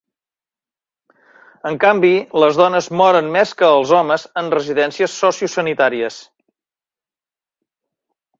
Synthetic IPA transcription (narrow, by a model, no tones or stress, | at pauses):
əŋkambiləzðɔnəzmɔɾənmeskəːlˠzɔməzənrəziðɛnsiəsːɔsiusənit̪aɾiəs